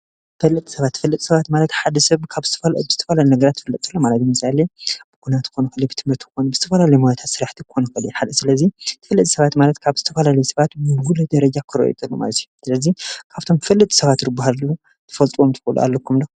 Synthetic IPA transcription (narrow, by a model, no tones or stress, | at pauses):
fɐlːɨt̪ʼi̥sɐβat̪ːɨfɐlːɐt̪ʼsɐβat̪malɐt̪ħad̪ɐsɐβkʰaβzɨt̪ʰɐfɐlbɨzɨt̪ʰɐ̥fɐlalinɐɡɐɾat̪ʰːɨ̥fɐlːɨt̪ʼkʰɐlːomalɐt̪ɨmɨsaleb̥ɨkʰunat̪ɨkonɐxɐlebɨt̪ʰɨmhɨɾt̪kʰɨko̞nɐbɨzɨt̪ʰɐfɐlalɐjmajat̪ʰat̪sɨɾaħt̪ʰikxo̞nɐxɐliħalɨsɨlɐzit̪ʰɨ̥fɐlːɐt̪ʼisɐβat̪malɐt̪kʰaβzɨt̪ʰɐfɐlalɐjsɐβat̪bɨɡulɐd̪ɐɾɐd͡ʒakʰɨɾo̰ʔḭt̪ʼɐlːṵma̰lɐt̪ʰijusɨlɐzikʰaβt̪ʰo̞mfɐlːɨt̪ʼi̥sɐβat̪ɾɨbaɦalu | t̪ʰɐ̥fɐlt̪ʼomt̪ʰɨ̥fɐlṵʔa̰lːɐkʰːumlo